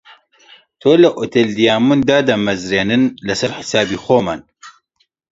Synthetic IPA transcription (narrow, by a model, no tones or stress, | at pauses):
t̪ʰoːlɐʔot̪eld̪ijaːmund̪aːd̪ɐmɐzɾeːnɨnlɐsɐɾħɪ̥saːbiːxʷoːma̰ːn